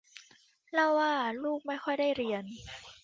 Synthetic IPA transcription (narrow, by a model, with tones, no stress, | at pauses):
lɛ˦˧˥waː˧˥˩luː˥˩k̚ma˥˩jxʰɔ˥˩jdaː˥˩jɾi˧ən